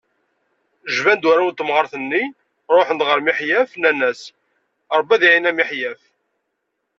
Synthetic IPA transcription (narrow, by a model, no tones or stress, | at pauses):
ʒvænd̪wæɾawnt̪ːəmʁəɾˤθənːi | ɾˤoħnd̪ʁəɾmiħjæfnænːæs | ɾˤəbːæðiʕinæmiħjæf